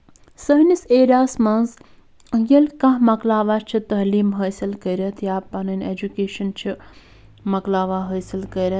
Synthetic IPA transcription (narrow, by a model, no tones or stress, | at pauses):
sɐɦniseːɾaːsmãnz | jɐlkɐ̃ɦmɐklaːʋaːt͡ʃʰit̪ɐɦliːmɦɐːsilkəɾʲɐt̪ʰjaːpɐnɐnʲed͡ʒukeːʃɐnt͡ʃʰi | mɐklaːʋaːɦɐːsilkəɾʲɐt̪